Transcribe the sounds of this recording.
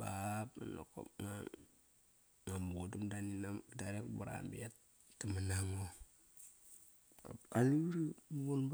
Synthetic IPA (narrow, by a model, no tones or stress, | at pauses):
bapa̰no̰ko̰p̚ŋa | ŋambuudumdaninamdaɾekbuɾa̰mbiat | tːamanaŋo | a̰pkaliɾibunb